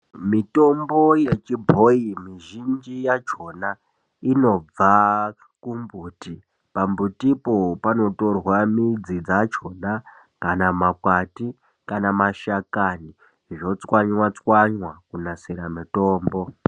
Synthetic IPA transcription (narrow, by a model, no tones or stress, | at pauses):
mito̞mbo̞je̞t͡ʃibʱo̞imiʒind͡ʒijad͡ʒo̞na | ino̞b͡va | kumbuːti | pambutipo̞pano̞to̞rwamid͡zid͡zad͡ʒo̞na | kanamakwati | kanamaʃakani | ʐo̞t͡swaɲwat͡swaɲwakunasiɾamito̞ːmbo̞